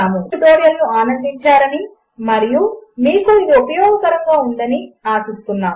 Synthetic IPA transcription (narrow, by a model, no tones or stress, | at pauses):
aːmud̪oːɽjɐlnuaːnɐnd̪iɲt͡ʃaːɾɐni | mɐɾijumiːkuid̪iupɐjɔːɡɐkɐɾɐŋɡaːund̪ɐniaːsust̪unːaːm